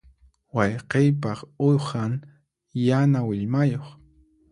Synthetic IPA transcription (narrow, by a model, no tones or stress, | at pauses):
wɑjqejpɑχojχaŋ | janawɪʎmajoχ